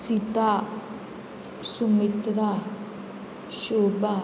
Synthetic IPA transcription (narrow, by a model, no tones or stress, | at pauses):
sit̪a | sumit̪ɾa | ʃoːba